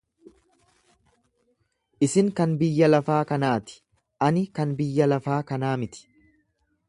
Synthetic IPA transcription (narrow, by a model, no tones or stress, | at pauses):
ʔɪsɪŋkɐnbɪjːɐlɐfaːkɐnaːt̪ɪ̥ | ʔɐnɪkɐnbɪjːɐlɐfaːkɐnaːmɪt̪ɪ̥